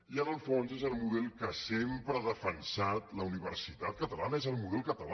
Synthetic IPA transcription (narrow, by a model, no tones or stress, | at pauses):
iənəlˠfonzezəlˠmuðɛlˠkasempɾəaðəfənsat̪ləuniβərsit̪at̪̚kət̪əlanəezəlˠmuðɛlˠkət̪əla